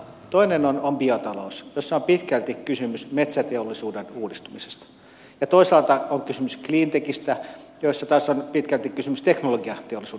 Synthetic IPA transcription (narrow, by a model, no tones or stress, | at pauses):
t̪oinenonomb̥iot̪ɑlousjosːɑompit̪kælt̪ikkysymysmet̪sæt̪eolːisuːdenuːdist̪umise̥st̪ɑ̥ | jɑt̪oisɑˑlt̪ɑoŋkysymyskliːnt̪ekist̪æ | joisːɑt̪ɑːsonpit̪kælt̪ikkːysymyst̪eknoloɡiɑt̪eolːisuːe